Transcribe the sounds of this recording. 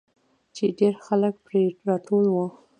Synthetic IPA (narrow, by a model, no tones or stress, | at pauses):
t͡ʃeɖeɾxalək̚pɾeɾɑʈolwə